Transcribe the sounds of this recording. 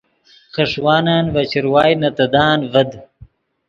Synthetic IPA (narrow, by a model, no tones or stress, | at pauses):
xɐʂwaːnaːnvɐt͡ɕiɾwaːjnɐt̪ɐd̪aːnvɐd̪